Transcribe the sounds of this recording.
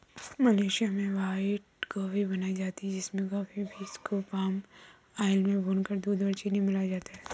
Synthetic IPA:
mɐleːʃijamẽʋaːɪʈɡaːfibɐnaːid͡ʒaːt̪iɦɛd͡ʒɪsmẽɡaːfibʱiskopaːm | aːɪlmẽbʱoːnkɐɾd̪uːd̪bɐɾt͡ʃinɐɦĩmɪlad͡ʒaːt̪aɦɛː

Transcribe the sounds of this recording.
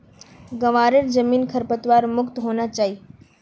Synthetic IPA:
ɡəʋaːɾeɾd͡ʒəmiːnkʰəɾpət̪ʋaːɾmʊkt̪ɦoːnat͡ʃaːɦiː

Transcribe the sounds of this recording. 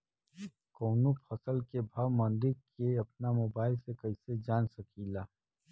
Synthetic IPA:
koːnũpʰɐsəlkebʱɐʋmɐ̃nd̪ɪɾkeɐp̚namoːbaːɪlsekɐised͡ʒaːnsɐkʰilaː

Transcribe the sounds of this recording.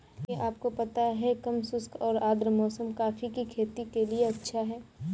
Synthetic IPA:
eʔaːp̚kopɐt̪aɦɛkɐmsʊskʰɔːɾaːd̪ɾəmɔːsəmkaːfikikʰeːt̪ikelieɐtːʃʰaɦɛː

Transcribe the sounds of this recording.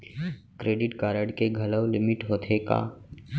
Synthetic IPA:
kɾeːɖɪʈkaːɾəɽkeɡʱɐləwlɪmɪʈɦoːt̪ʰeka̰ː

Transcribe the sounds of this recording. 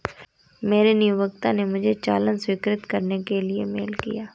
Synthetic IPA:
meːɾenijuʋəkt̪ãnemʊd͡ʒʱet͡ʃa̰ːlə̃nswɪkɾɪt̪kɐɾnekeliḛmḛːlkḭjaː

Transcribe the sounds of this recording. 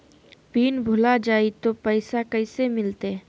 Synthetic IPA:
piːnbʱʊlad͡ʒaːit̪opɛɪsakəɪsemɪlt̪e

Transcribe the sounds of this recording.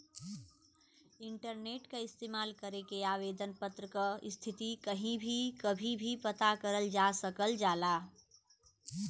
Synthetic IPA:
ɪ̃ɳʈəɾneːʈkaɪst̪eːmaːlkəɾekeaːʋeːd̪ənpət̪ɾəkaɪst̪ʰɪt̪ikəɦĩbʱikəbʱĩbʱipɐt̪akəɾəld͡ʒaːsəkəld͡ʒaːlaː

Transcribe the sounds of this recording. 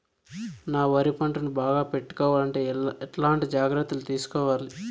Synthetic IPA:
naːʋɐɾipɐɳʈɐnubaːɡaːpe̞ʈːu̥kɔːʋaːlɐɳʈe̞ːɛʈlaːɳʈid͡ʒaːɡɾɐt̪ːulut̪iːsu̥kɔːʋaːli

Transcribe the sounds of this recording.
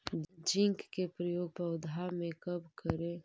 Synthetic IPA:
d͡ʒɪŋkkepɾəjoːɡ̚pɐwd̪ʱamẽkɐbkəɾe

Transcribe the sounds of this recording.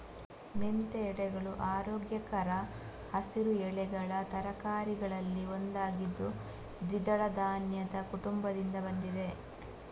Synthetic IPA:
ment̪eːɽɛɡɐɭuʔaːɾoːɡjɐkɐɾɐ | hɐsiɾuɛɭɛɡɐɭɐt̪ɐɾɐkaːɾiɡɐɭɐlːiond̪aːɡid̪ːu | d̪ʋid̪ɐɭɐd̪aːnjɐd̪ɐkuʈumbɐd̪ind̪ɐbɐnd̪id̪e̞

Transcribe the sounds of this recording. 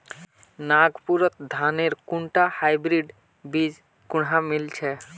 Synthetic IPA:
naɡpuɾɔt̪d̪ʱaneɾkuɳʈahajbɾiɖ | bid͡ʒ | kuɽɦamilt͡ʃʰɛ

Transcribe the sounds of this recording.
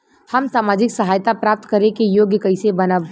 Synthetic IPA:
hɐmsaːmaːd͡ʒɪksɐɦaːjt̪apɾaːp̚t̪kɐɾẽkejoːɡjəkɐɪsebɐnəʋ

